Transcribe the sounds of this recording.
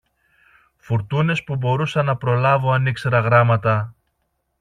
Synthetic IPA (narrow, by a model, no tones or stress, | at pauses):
fuɾt̪une̞spubo̞ɾusɐnɐpɾo̞lɐvoɐnikse̞ɾɐɣɾɐmɐt̪ɐ